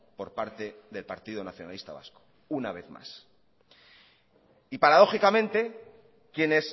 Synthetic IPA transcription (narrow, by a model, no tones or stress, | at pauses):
po̞ɾpaɾt̪e̞ðe̞lpaɾt̪iðonaθjo̞na̰list̪a̰βa̰sko̥ | unaβ̞e̞θma̰s | ipaɾaðo̞xikamẽ̞nt̪e̞ | kje̞ne̞s